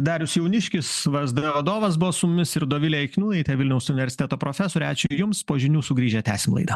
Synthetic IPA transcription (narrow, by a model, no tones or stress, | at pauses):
d̪ɑːɾʲʊsjɛʊnʲɪʃʲkʲɪsʋɐzd̪ɐʋɐd̪oːʋɐs̬bʊʋoːsʊmʊmʲɪsɪɾd̪oːʋʲɪlʲɛɛɪkʲnʲuːnɐɪt̪ʲɛʋʲɪlʲnʲɛʊsʊnʲɪʋʲɛɾʲsʲɪ̥t̪ʲɛt̪oːpɾoːfʲɛsoːɾʲɛɑːt͡ʃʲʊjʊmspoːʒʲɪnʲuːsʊɡɾʲiːʒʲɛt̪ʲæ̰ːsʲɪmlˠɐ̰ɪd̪ɐ